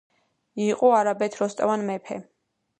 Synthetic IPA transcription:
iqʼɔaɾabɛt̪ʰɾɔst̪ʼa̰vanmɛpʰɛ̰

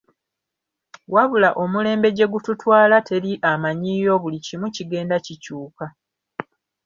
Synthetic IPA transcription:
waβulaʔo̞mule̞ːmbe̞ɟe̞ɡututwaːlatʰe̞ɾiʔamaɲiːjo̞βulicimuciɡe̞ːndacicuːka

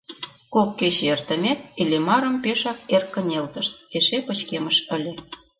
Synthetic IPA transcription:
kokːet͡ɕert̪ə̆mʲæt̪̚ilʲemɑɾə̆mpeʃɑk̚erkːə̆nʲelt̪ə̆ʃt̪̚eʃepə̆t͡ɕkeməʃə̆lʲĕ

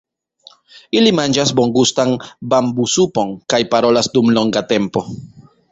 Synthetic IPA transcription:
ilimand͡ʒasbo̞ŋɡustanbambusupo̞ŋkajpaɾo̞lasdumlo̞ŋɡate̞mpo̞

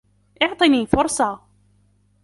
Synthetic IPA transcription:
ʔɪʕt̪ˤiniːfʊɾˤsˤɑ

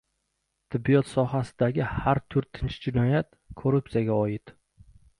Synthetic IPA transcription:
t̪ʰɪbːijɒt̪sɒɦasɪd̪aɡʲɪhaɾt̪ʰʊɾt̪ʰɪnt͡ʃʰd͡ʒɪnɒjat̪ | kʰoɾʊp̚sijaɡʲaɒjɪt̪

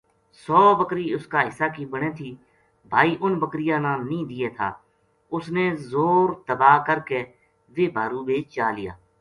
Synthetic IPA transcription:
sɔːbəkɾiːʊskaːɦɪsːaːkiːbəɽ̃ẽːt̪ʰiː | bʱaːiːʔʊnbəkɾɪjãːnãːnĩːd̪ɪːeːt̪ʰa̰ː | ʊsneːzoːɾt̪əbaːkəɾkeː | ʋeːbʱaːɾũːbeːt͡ʃaːlɪja̰ː

